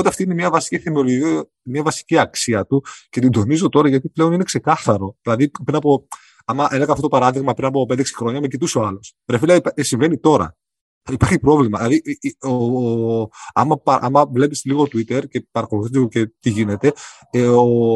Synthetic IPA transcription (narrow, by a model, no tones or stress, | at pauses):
ot̪eɐft̪ine̞mɲɐvɐsi̥ciθemeoloii | miɐvɐsi̥ciɐksiɐt̪uce̞t̪ind̪o̞nizo̞t̪o̞ɾɐʝɐt̪iple̞o̞ninekse̞kɐθɐɾo̞ðilɐðipɾinɐpo̞ | ɐmɐʔeleɣɐft̪ot̪opɐɾɐðiɣmɐpɾinɐpo̞ped̪eksi̥xɾo̞ɲɐmecit̪usoɐlo̞svɾefilɐisiɱve̞nit̪o̞ɾɐ̰ | ɐipɐɾçipɾo̞vlimɐðilɐðio | ɐ̰mɐpɐʔɐ̰mɐvle̞pisliɣo̞t̪uit̪e̞ɾce̞pɐɾɐxoluθizoce̞t̪iʝine̞t̪e̞ | eo